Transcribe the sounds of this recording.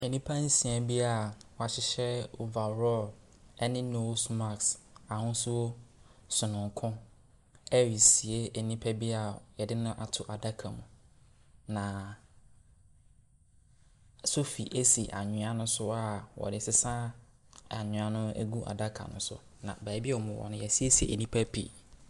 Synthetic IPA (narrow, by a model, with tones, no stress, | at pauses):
ɛ˨nĩ˦pʰã˦n̩˦sĩ˨ã˨bi˦a˨wɔ˨a˨ɕɪ˦ɕɛ˦o˨va˨ɾɔ˦˨l | ɛ˦nɪ̃˦no˦sma˨ksa˨hʊ̃˦sʊ˦o˦sʊ˨nʊ̃˨ŋ˨kʰʊ̃˦ | ɛ˦ɥi˨si˨e˦ɛ˨nĩ˦pʰɛ˦bi˦a˨jɛ˨dɪ˦nʊ̃˦ʔa˨tʰʊ˨ʔa˨da˦kʰa˨mũ˨ | nã˨ | so˦fi˨ʔe˦si˨ʔa̰˨ɲʊ̃˨a˨nʊ̃˦sʊ˦a˨wɔ̰˨dɪ˦sɪ˦sã˦ | a˨ɲʊ̃˨a˨nʊ̃˦æ̰˦ɡu˦ʔa̰˨da˦kʰa̰˨nʊ̰̃˦sʊ̰˦ | nã̰˨bæ˨˦bi˦ɛ˦ɔ˨mʊ̃˨wɔ̰˨nʊ̃˦jɛ˨si˦e˦si˨ḛ˨nĩ˦pʰæ˦pʰḭ˨